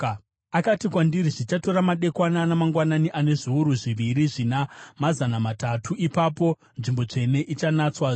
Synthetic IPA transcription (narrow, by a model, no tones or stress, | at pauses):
akatikwandiriʐit͡ʃato̞ɾamaɗe̞kwananamaŋɡwananiʔane̞ʐuuɾuʐiʋiɾiʐinamazanamatatʰuipapo̞ | nʐimbo̞t͡ʂe̞ne̞ʔit͡ʃanat͡swa